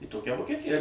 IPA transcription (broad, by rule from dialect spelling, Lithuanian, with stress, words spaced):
iː ˈtoːkʲɛ ʋoːkʲɛˈtʲɪjɛ